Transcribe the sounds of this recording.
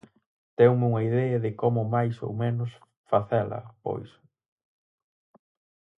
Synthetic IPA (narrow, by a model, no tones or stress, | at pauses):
t̪ɛwmɪuŋɐiðɛɐðɪkɔmʊmajso̰wmenʊs | faθɛlɐ̰po̰js